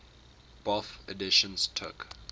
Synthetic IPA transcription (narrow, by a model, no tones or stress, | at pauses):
b̥ɔfə̰dɪʃə̃nstʰʊ̰k